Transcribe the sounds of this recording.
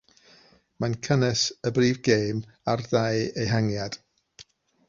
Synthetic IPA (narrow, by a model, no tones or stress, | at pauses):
mankʰənɨsəbriːvɡejm | arðajejɦaŋjad̥